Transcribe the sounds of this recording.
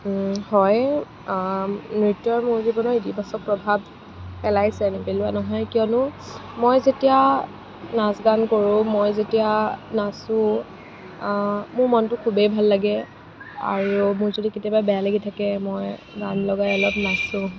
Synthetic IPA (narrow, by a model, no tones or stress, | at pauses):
hɔj | nɹitjɔɹmʊɹzibɔnɔitibasɔk̚pɹɔbʱab | pɛlajsɛnepelʊanɔɦɔjkijɔnʊmojzetija | nasɡankoɹʊ̃mojzetijanasʊ̃ | mʊɹmɔntʊkʰubejbʱalːaɡɛ | a̰ɹumʊɹzodikitiababɛjalaɡitʰakɛmɔj | ɡanlɔɡajɔlɔbnasʊ̃